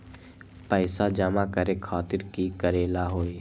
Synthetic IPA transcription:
pəɪsad͡ʒəmakəɾekʰaːt̪ɪɾkikəɾeːlaɦoːi

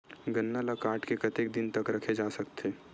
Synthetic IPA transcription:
ɡɐnːalakaːɾʈkekɐt̪ek̚d̪ɪnt̪ɐkɾɐkʰed͡ʒaːsɐkt̪ʰeː

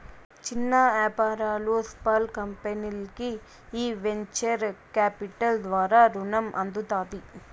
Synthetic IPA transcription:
t͡ʃɪnːaaːpaːɾaːloːspaːlkɐmpɐnɪlkɯ | iːʋɛɲt͡ʃɐɾkaːpɪʈːɐld̪ʋaːɾaɾʊnɐmʔɐnd̪ut̪aːt̪i

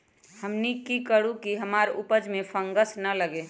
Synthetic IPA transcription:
həmnikikəɽũkiɦəmaːɾupəd͡ʒmẽfʰə̃ŋɡəsnələɡeː

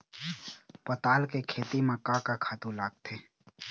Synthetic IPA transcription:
pət̪aːlkekʰeːt̪imakakakʰaːt̪ũlaːɡ̚t̪ʰeː

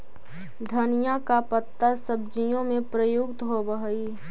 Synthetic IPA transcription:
d̪ʱənijakapət̪ːasəb̚d͡ʒijõmẽpɾəjʊɡt̪ɦobəɦəi

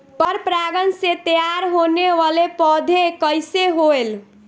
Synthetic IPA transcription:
pəɾpɾaɡənset̪əjaɾɦoneʋalepɔd̪ʱekəjseɦoel

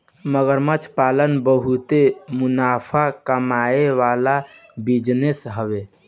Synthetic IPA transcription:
məɡəɾmət͡ʃʰpalənbəɦut̪emunapʰakəmaeʋalabid͡ʒnesɦəβe

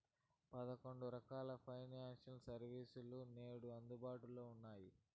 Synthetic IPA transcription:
pɐd̪ɐko̞ɳɖuɾɐkaːlɐpʰɐjnaːʂɐnsɐɾʋiːsulune̞ːɽuɐnd̪ubaːʈuloːunːaːji

